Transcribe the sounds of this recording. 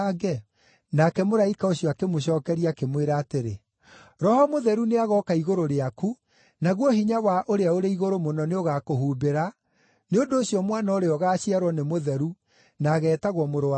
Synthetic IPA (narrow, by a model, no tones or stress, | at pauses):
ɡɛ | nakɛmoɾaikaoɕjɔakemoɕ̬ɔːkɛɾiakemweɾaːteɾe | ɾɔhɔmoðɛɾuneaɣɔkaiɣoɾoɾeaku | naɣwɔɦiɲawaʔoɾeaoɾeiɣoɾomonɔneoɣakoɦuːbeɾa | neondoːsɕjɔmwanaoɾeɔɣaːɕiaɾwɔnemoðɛɾu | naɣɛːtaɣwɔmoɾoa